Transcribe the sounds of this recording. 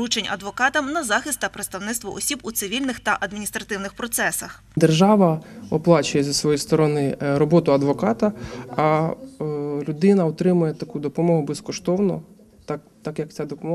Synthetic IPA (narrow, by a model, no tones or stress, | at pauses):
ɾut͡ʃenʲɐ̰d̪ʋɔkɑt̪ɐmnɐzɑxɪst̪ːɐpɾet̪st̪ɐwnɪt̪st̪ʋɔʔɔsʲibut̪sɪʋʲilʲnɪxt̪ɐʔɐd̪mʲinʲist̪ɾɐt̪ɪwnɪxpɾɔt̪sɛsɐx | d̪erʒɑʋɐɔplˠɑt͡ʃʊjɛzɐsʋɔjijst̪ɔɾɔnɪɾɔbɔt̪ʊɐd̪ʋɔkɑt̪ɐɐ | lʲʊd̪ɪnɐɔt̪ɾɪmʊjɛt̪ɐkud̪ɔpɔmɔɦʊbɛskɔʃt̪ɔwnɔ̰ | t̪ɑk | t̪ɑkjɐk̚t̪t͡sʲad̪ɔpɔmɔ